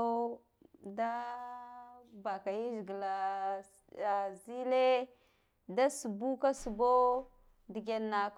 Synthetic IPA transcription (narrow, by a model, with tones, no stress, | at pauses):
o˦ | da˦ | ba˨ka˨ji˦zi˨ɡə˨la˨ | zi˦le˦ | da˦su˨bu˦ka˦su˨bo˦ | di˨ɡʲe˨nːa˨k